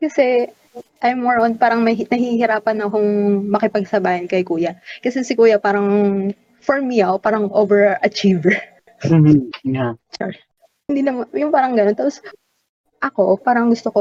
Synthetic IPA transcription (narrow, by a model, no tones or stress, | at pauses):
kɐsɛ | ʔɐjmːoɹʔon̚paːɾɐŋmɐjnɐhihɪɾaːpɐnɐkʊŋmɐkɪpɐɡ̚sɐbaːhɐnkɐjkuːjɐkɐsɛsɪkuːjɐpaːɾɐŋ | fɔɹmiʔɐwpaːɾɐŋʔovɛɹɐt͡ʃiv̩ | jat͡ʃɛ | hɪnd̪iːlɐmjʊŋpaːɾɐŋɡɐnonaːpos | ʔɐko̞paːɾɐŋɡʊst̪oko